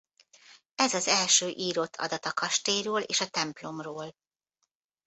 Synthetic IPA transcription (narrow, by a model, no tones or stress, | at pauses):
ɛzɒzɛlʃøːʔiːɾot̪ʰːɒ̰d̪ɒt̪ɒkɒʃt̪eːjɾøːlḛːʃɒt̪ɛmplo̞mroːl